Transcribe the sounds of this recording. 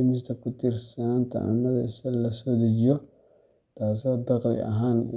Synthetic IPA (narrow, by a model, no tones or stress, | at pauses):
mis̬takutiɾsananta̰ʔa̰madisalːasodid͡ʒijo | tas̬odaɣlḭʔa̰ɦan